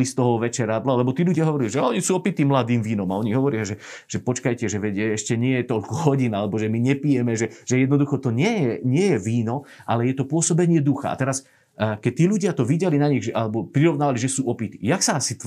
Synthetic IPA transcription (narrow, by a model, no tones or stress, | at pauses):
list̪ɔɦɔʋɛt͡ʃɛɾad̪lalɛbɔt̪iːluɟɪaɦɔʋɔɾiliʒɛaɔɲisuːɔpit̪imlad̪iːmʋiːnɔmaɔɲiɦɔʋɔɾɪaʒɛ | ʒ̥ɛpɔt͡ʃkajcɛʒɛʋɛɟɛɛʃcɛɲɪɛjɛt̪ɔʎkɔɦɔɟinalɛbɔʒɛmiɲɛpijɛmɛʒɛʒ̥ɛjɛd̪nɔd̪uxɔt̪ɔɲɪɛjɛɲɪɛjɛʋiːnɔ | ʔa̰lɛjɛt̪ɔpʊɔsɔbɛɲɪɛd̪uxa̰a̰t̪ɛɾas | kɛc̚t̪ːiːʎuɟɪat̪ɔʋiɟɛlinaɲiɣʒɛʔalɛbɔpɾiɾɔʊnaːʋaliʒɛsuːʔɔpit̪ijaksaasit̪